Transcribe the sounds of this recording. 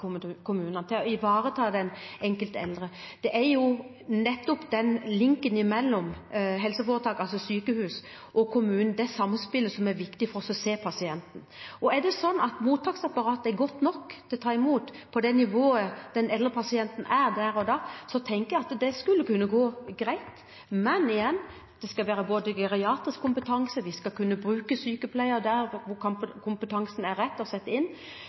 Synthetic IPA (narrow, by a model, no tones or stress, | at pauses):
kʰʊmʉːnɑnət̪ʰɪlɔɪʋɑːɾət̪ʰɑːd̪ɛnɛŋkəlt̪ɛ̰ld̪ɾəd̪̥ɛʔæɾjʊ | nɛt̪ːɔpd̪ɛnlɪŋkənɪmɛlːɔmɦɛlsəfoːɾət̪ʰɑːkɑlsɔsyːkəhʉːs | ʔɔkʰʊmʉːnn̩d̪ɛsɑmnspɪlːəsɔmæɾʋɪkt̪ɪfɔɾɔsɔseːpʰɑsɪɛnt̪n̩ɔæɖ̪ɛsɔnːɑt̪muːt̪ʰːɑːksɑpːɑɾɑːt̪ɛɾɡɔt̪nɔkːt̪ʰɪt̪ʰɑːɪmuːt̪pʰɔd̪ɛnɪʋoːəd̪̥ɛnɛlːəɾpʰɑsɪɛnt̪n̩ʔæɾd̪æɾɔd̪ɑːsɔt̪ʰɛŋkəjæɑt̪d̪ɛskʉlːəkʉnːəɡoːɡɾæɪt̪ | mɛnɪjɛnː | d̪̥ɛskɑlʋæːɾəboːd̪əɡɛɾɪɑːt̪ɪskʰːʊmpət̪ʰɑŋsəʋɪskɑlkʉnːəbɾʉːkəsyːkəpʰlæɪəɾd̪æɾʋʊkʰkʰʊmpət̪ʰɑŋsn̩æɾːɛt̪ːɔsɛt̪ːəɪnː